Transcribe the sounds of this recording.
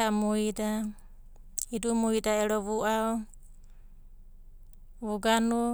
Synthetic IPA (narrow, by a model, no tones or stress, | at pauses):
amuida | hidumuidaeɾoβuʔao | βuɡanu